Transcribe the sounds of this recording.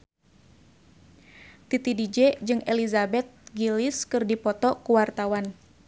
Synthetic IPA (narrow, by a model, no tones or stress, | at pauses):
t̪it̪idid͡ʒɛd͡ʒɨŋʔelizabɛt̪̚ɡilɪskɨrdipɔt̪ɔkuwart̪awan